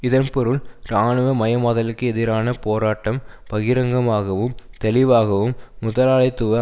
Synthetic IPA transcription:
ɪðɐnpɔɾɯɭɾaːɳɯʋɐmɐjɐmaːðɐlɪkːɯɛðɪɾaːnɐpoːɾaːʈːɐmpɐɣɪɾɐŋɡɐmaːɣɐʋɯmt̪ɛlɪʋaːɣɐʋɯmːʊðɐlaːɭɐɪt̪ːʊʋɐ

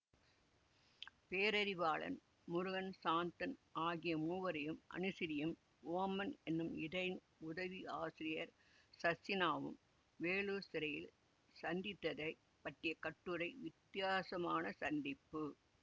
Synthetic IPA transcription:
peːɾɐɾɪʋaːɭɐ̰n | mʊɾʊɣɐnsaːnt̪ɐnʔaːɣɪjɐmuːʋɐɾɐjɯmʔɐ̰nɯsɪɾɪjɐm | oːmɐnɛnːɯmɪðɐɪn | ʊðɐʋiaːsɪɾɪjɐɾ | sɐsɪnaːʋɯ̰m | ʋeːɭuːsɪɾɐjɪl | sɐnd̪ɪt̪ːɐðɐɪ | pɐʈrɪjɐkɐʈːɯɾɐɪʋɪt̪ːɪjaːsɐmaːnɐsɐnd̪ɪpːɯ

